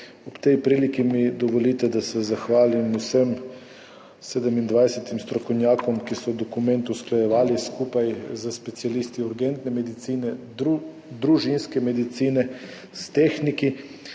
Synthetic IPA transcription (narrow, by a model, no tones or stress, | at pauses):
ɔpt̪ɛjpɾiːlikimid̪ɔʋɔlit̪ɛd̪asɛzaxʋaːlimusəm | sɛd̪əmind̪ʋajsɛt̪imst̪ɾɔkownʲjaːkɔmkisɔd̪ɔkumɛnt̪usklajɛʋaːliskuːpajzəspɛt̪sialist̪iuɾɡɛnt̪nɛmɛd̪it̪siːnɛ | d̪ɾuʒinskɛmɛd̪it̪siːnɛ | st̪exniki